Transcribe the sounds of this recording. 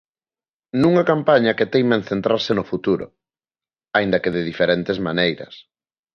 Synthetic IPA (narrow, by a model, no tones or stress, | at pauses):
nũŋakampaɲɐket̪ejmaen̟θent̪ɾaɾsɪnʊfut̪uɾʊ̰ | aĩnd̪ɐkeðeðifeɾent̪ezmanejɾɐ̰s